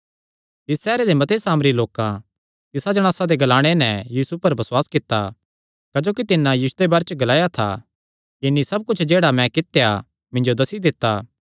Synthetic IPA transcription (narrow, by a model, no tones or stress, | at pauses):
t̪ɪsːɛːɾed̪emɐt̪esaːmɾiloːkã | t̪ɪsad͡ʒɐɽ̃aːsad̪eɡɐlaːɽ̃enɛjiːsupɐɾbɐswaːskɪt̪ːa̰ | kɐd͡ʒoːkit̪ɪnːãjiːsʊ̥d̪ebaːɾt͡ʃəɡɐlaːjat̪ʰa̰ | ɪnːisɐb̚kʊt͡ʃʰd͡ʒeːɽamɛ̃kɪt̪eja | mɪ̃nd͡ʒod̪ɐsid̪ɪt̪ːaː